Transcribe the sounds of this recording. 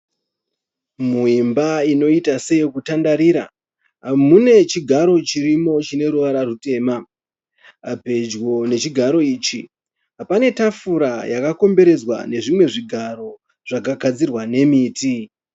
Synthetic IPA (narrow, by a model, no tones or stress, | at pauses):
muimbaino̞itase̞jokutandaɾiɾa̰ | ɦamune̞t͡ʃiɡʱaɾo̞t͡ʃiɾimo̞t͡ʃine̞ɾuʋaɾarute̞ːma | ape̞d͡ʒɣo̞ne̞t͡ʃiɡʱaɾo̞iːt͡ʃi | ɦapane̞tafuɾajakako̞mbe̞ɾe̞d͡zwa̰ne̞ʐimwe̞ʐiɡʱaɾo̞ | ʐ̥akaɡʱad͡zirwane̞miːti